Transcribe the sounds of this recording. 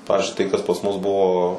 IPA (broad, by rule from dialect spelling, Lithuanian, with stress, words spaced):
ˈpɑːʋʲɪzʲd͡ʒʲʊɪ tɐɪ kɐs pɐs mʊs ˈbʊʋoː